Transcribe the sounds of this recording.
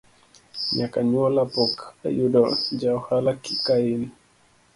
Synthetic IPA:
ɲakaɲuɔlapɔka̰judɔd͡ʒawhalakikain

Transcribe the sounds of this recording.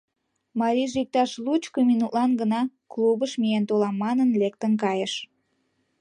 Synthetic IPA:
mɑɾʲiʒik̚t̪ɑʃlut͡ɕkominut̪lɑnɡənɑ | klubəʃmijent̪olɑmːɑnənlekt̪ənkɑjəʃ

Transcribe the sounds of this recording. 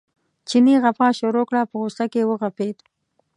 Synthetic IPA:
t͡ʃiniɣapɑʃoɾokɽapəɣosakewəɣaped̪

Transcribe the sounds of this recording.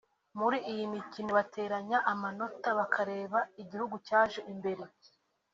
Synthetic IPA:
muɾiʔijimicinoβatʰe̞ːɾaɲaʔamano̞taβakʰaɾe̞ːβaiɟihuɡucaːʒe̞ʔimbe̞ɾe

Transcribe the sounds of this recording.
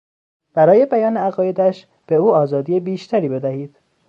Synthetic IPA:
b̥æɾɒːje̞bæjɒːneæɣɒːje̞d̪æʃ | b̥e̞uːɒːzɒːd̪iːjebiːʃt̪ʰæɾiːbe̞d̪æhiːd̪̥

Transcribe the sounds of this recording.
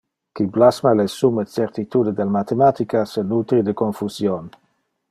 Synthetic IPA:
kiblasmalesumet͡seɾt̪it̪ud̪ed̪elmat̪emat̪ikasenut̪ɾid̪ekonfuzjon

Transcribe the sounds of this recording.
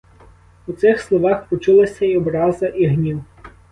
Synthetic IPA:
ut̪sɪxslˠɔʋɑxpɔt͡ʃulˠɐsʲɐiɔbɾɑzɐʔiɦnʲiw

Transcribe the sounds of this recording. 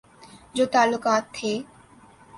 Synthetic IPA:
d͡ʑoːt̪aːlʊkaːt̪ʰːeː

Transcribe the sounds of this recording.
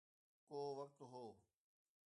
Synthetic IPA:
koːʋɐk̚t̪ɦoː

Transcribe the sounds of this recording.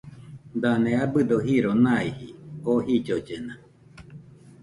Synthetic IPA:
d̪anẽabɨd̪oɦiɾonãihiohid͡ʒod͡ʒena

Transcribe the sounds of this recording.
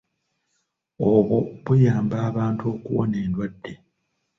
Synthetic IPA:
oβoβujaːmbaːβaːnto̞ːkuwo̰ne̞ːndwadːe

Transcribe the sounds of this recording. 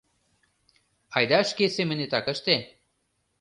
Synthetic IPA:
ɑjd̪ɑʃkesemɘ̆net̪ɑkə̆ʃt̪e

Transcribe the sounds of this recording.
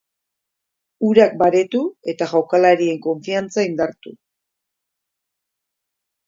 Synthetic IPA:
uɾak̚baɾe̞t̪ue̞t̪aɣʝawkalaɾie̞ŋko̞ɱfiant͡saind̪aɾt̪u

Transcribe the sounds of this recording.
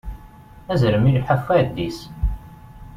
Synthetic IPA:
æzɾəmilħəfæd̪ːis

